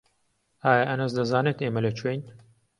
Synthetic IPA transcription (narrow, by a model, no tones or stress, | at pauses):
aːjɐʔɐnɐzd̪ɐzaːneːt̪eːmɐlɐt͡ʃʰwejn